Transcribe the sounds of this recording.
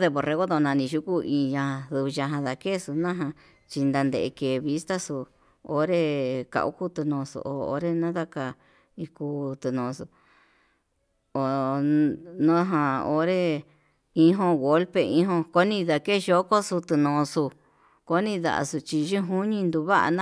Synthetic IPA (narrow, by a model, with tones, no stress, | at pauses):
ðe˧βo˨re˧ɣo˦d̪o˧nã˧nĩ˧ʒu˦ku˦ĩ˧ɲã˧hã˧ðɨ˧βɨ˧ʒã˧ɦã˧ða˧ke˦su˧nã˦ɦã˧ | t͡ʃi˧nd̪a˧nd̪e˧˨e˧ke˨βi˦st̪a˦su˧ | o̰˦ɾe˦ka̰˧ʔṵ˦ku˦t̪ɨ˧nõ˧sṵ˧ʔo̰˨o̰˧ɾe˦nã˦ða˧ka˧ | i˧ku˧t̪ɨ˧nõ˧su˧ | o˨ | nõ˦ɦã˧o˧ɾe˦ | ĩ˦ɦõ˧ɣo˦lpe˧ĩ˦ɦõ˧ko˦nĩ˧ða˧ke˦˨˧ʒo˦ko˦su˧t̪ɨ˧nõː˧su˧ | ko˧˦nĩ˧ða̰˧˨ʔa̰˧su˧t͡ʃi˧ʒi˦ɦu˦ɲĩ˧nd̪u˧βa˦ʔa̰˧nã˦